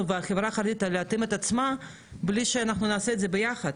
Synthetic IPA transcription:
veaχevɾaχaɾd̪it̪aleat̪imet̪at̪t͡sma | bliʃeanaχnunaːseːd̪zebejaχɐd̪

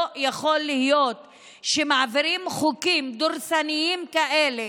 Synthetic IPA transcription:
jaχo̞lːihijot̪ | ʃemaʕaviɾimχukimd̪oɾsanijimkaʔele

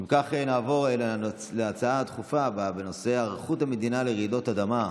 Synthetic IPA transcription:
imkaχenaːvo̞ʁel | leat͡saaat̪χufababeno̞seaʁaχuthame̞d̪inaleʁid̪o̞t̪ad̪ama

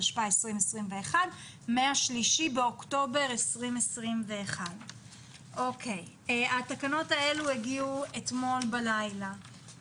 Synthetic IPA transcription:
ʃpaesʁimesʁimve̞ːχad | meaʃliʃibeo̞kto̞be̞ʁesʁimesʁimve̞ːχad | ʔo̞kʰe̞j | atakano̞tae̞lueɡiuetmo̞lbalajla

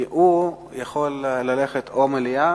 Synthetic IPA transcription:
ʔu | jaχo̞lːale̞χet̪ʰomelia

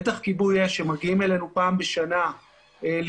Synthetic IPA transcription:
taχkibujeʃemaɡiime̞le̞nupaːmbe̞ʃana | el

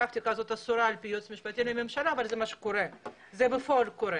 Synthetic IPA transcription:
axt̪ikazot̪asuɾalpijot͡smiʃpat̪inimemʃalaːvalzɛmaʃu̥koɾɛ | zɛbefolkoɾɛ

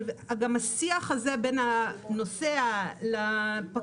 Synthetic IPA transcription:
aɡamasiaχazebenano̞sealapa

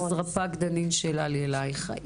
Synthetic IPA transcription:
zʁapaɡd̪animʃelaljelajχa̰ʔ

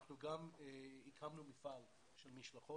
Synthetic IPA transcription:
χnuɡameikʰamnumifal | ʃelmiʃlaχo

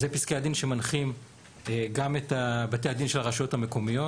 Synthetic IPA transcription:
zepiskead̪inʃe̞manχim | eɡametabate̞jad̪inʃelaʁaʃo̞thame̞ko̞mijo̞

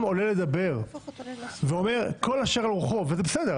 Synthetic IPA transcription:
mo̞lele̞d̪abe̞ʁ | veo̞me̞ʁko̞laʃeʁalʁuχo̞vezebesed̪e

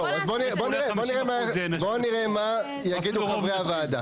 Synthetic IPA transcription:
azbonieboniʁeboniʁemabo̞niʁema | jaɡid̪uχavʁeavaːd̪a

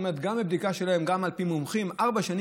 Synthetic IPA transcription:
met̪ɡambebd̪ikaʃelae̞mɡamalpimumχimaʁbaʃan

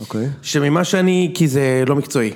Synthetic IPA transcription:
okejʃemimaʃeanikizelomikt͡so̞i

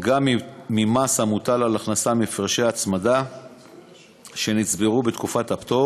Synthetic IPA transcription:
ɡammimashamutalalaχnasamifʁʃeat͡smada | ʃe̞nit͡sbeʁubet̪kufatapt̪o̞

